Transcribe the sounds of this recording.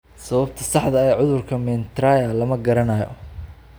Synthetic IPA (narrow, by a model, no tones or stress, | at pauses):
sɐβɐbt̪ʰɐsɑħd̪ɐɛjʕʊðʊrkʰɐmɛnt̪ɾaːjɐlɐmɐɡɐɾɐnɐjɔ̰